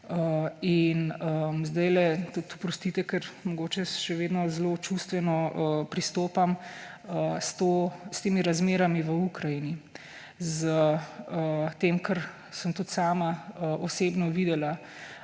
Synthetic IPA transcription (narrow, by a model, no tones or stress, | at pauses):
əinəmzd̪ajlɛt̪ət̪u̥pɾɔst̪it̪ɛkɛɾmɔɡoːt͡ʃɛʃɛʋeːd̪nɔzlot͡ʃust̪ʋɛnɔəpɾist̪oːpaməst̪ost̪eːmiɾazmeːɾamiʋəukɾajini | zəət̪emkəɾ | səmt̪ut̪saːmaəʔɔseːbnɔʋiːd̪ɛla